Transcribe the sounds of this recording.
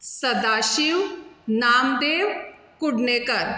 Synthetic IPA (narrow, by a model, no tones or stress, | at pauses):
səd̪aːʃiwnaːmd̪eːʋ | kʊɖneːkəɾ